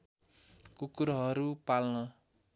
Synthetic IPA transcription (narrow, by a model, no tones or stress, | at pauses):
kokuɾʌɦʌɾupalnʌ